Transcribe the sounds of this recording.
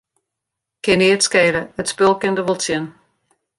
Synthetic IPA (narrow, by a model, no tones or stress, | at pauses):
kɪniːətskeːɾəətspɪlˠkɪndəʋolˠt͡sjən